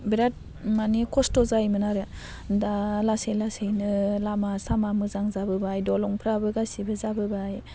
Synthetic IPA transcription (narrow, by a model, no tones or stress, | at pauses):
biɾat̚ | manikʰɔstɔzajmɯnaɾɯ | dalasejlasejnɯlamasamamɯzaŋzabɯbajdɔlɔŋpʰɾabɯɡasibɯzabɯbaj